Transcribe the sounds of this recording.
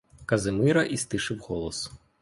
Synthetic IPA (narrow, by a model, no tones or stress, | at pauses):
kɐzɨmɪɾɐʔist̪ɨʂɨwɣɔlˠɐs